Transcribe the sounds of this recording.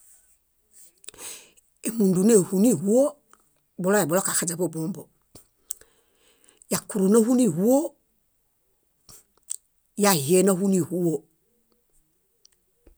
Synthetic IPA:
e˨mũ˨ndu˨ne˦˨hu˨ni˦˨hu˦wo˦ | bo˦lo˦a˨blo˦ka˨xa˨d͡ʒe˨bo˦bo˦mbo˨ | ja˨ku˨ɾu˨no˦hu˦ni˦˨hu˦wo˦ | ja˨je˦no˦hu˦ni˦˨hu˦wo˨

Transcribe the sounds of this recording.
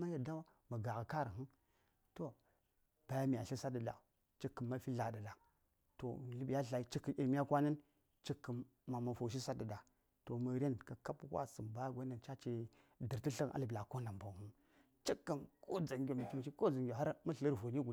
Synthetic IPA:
ma˦ja˨da˦a˦ | ma˨ɡa˨ɣa˨ka˦ɾa˨ɦu˦ | to˦ | b̥a˨ja˦mi˨a˨ɬi˦sa˦də˨da̰˨ | t͡ʃi˦kːə˨mːa˦fi˦ɮa˨da˨da˨ | to̰˨lə˨bja˦ɬa˨i˦t͡ʃi˦kːi˨ʔi˨mi˦ja˦kʷa˦nə˦n | t͡ʃi˦kːə˨mː | a˨ma˨fo˨ʃ̬i˦sa˦də˨da˨ | to˨mə˨˦ɾe˦nka˨ka˦pkwa̰˦sə˨mba˦ja˦ɡʷa˦na˨nt͡ʃa˦t͡ʃi˦ | də˨ɾti˦ɬə˦nʔa̰˦lə˨bla˨ko˦na˨m˨ba˨hu˦n | t͡ʃi˦kːə˨nkʰo˦d͡za˨ŋɡʲo˨mi˨t͡ʃi˦m˨t͡ʃi˦ko˦d͡za˨ŋɡʲo˨ɦa˦ɾma˦ɬə˦ɾvo˨ni˦ɡu˨˦

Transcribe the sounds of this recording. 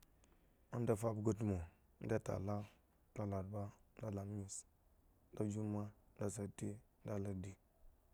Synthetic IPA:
a˦n˦da˨fa˦bɡə˦t̬mo˨˦ | n̩˦da˦ta̰˨la˦ | da˦la˨dba˦n˦da˦la˨m˦i˨s | n˦da˦d͡ʒu˦ma˦n̩˦da˨sa˨ti˦n̩˦da˦la˦di˨

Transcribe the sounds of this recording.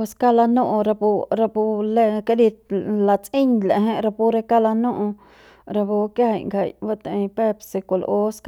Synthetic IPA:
e˧ska˦la˧nõ˦ʔõ˧ɾa˧pu˧ɾa˧pu˧le˧ka˧li˧la˧t͡si˦ɲla̰˨ɦẽ˦ʔɾa˧pu˧ɾe˧ka˦la˧nũ˦ʔõ˧ | ɾa˧po˧kja˦ha˧˨jŋɡa˨jba˦˧t̪a˨˧pe˦psi˧ko˧l̰ʔo˦sk

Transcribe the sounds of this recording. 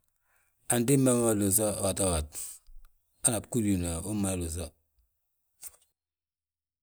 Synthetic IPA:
a˨ndi˦ma˦ma˦lu˨s̬a˦watawat | a˦na˨pku˦ɾjuna˨u˦malu˨s̬a

